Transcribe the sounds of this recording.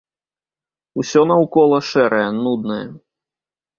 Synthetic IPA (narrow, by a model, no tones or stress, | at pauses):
usʲɔnɐwkɔlˠɐʂɛɾɐjɛnud̪̚nɐjɛ̰